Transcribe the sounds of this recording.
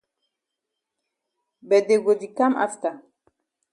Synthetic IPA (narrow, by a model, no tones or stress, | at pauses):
bɛd̪eɡodikamʔa̰ft̪a